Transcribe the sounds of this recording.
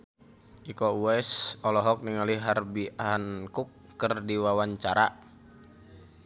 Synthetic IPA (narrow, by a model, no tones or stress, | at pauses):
ʔikɔuɛsɔlɔɦɔk̚niŋaliɦarbiankukːərdiwawaɲt͡ʃaɾa